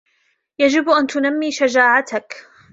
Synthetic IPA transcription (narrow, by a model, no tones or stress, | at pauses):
jad͡ʒɪbʔant̪ʊnamːiːʃad͡ʒaːʕat̪ak